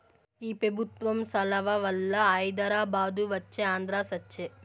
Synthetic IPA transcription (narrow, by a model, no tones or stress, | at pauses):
iːpɾebʱut̪ʋɐmsɐlɐʋɐʋɐlːɐɐjd̪ɐɾaːbaːd̪uʋɐt͡ʃːeaːnd̪ɾaːsɐt͡ʃːe